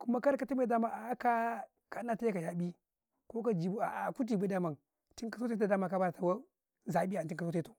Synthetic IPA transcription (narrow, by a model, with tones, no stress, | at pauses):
ku˦ma˦ka˦ɾka˨ti˦me˦˨da˦ma˨a˨˦ka˦ | ka˦na˦ta˦ja˦ka˨ja˨bi˦ | ko˦ka˦d͡ʒi˨bu˦a̰˨ʔa˨ku˦t̬i˨be˦da˦ma˨ŋ | ti˦ŋkḁ˨so˦e˦a˨da˦ma˨ka˦ba˦ɾa˨ta˨wa˦ | za˨bi˦a˨ti˦ŋka˨so˦e˦tu˨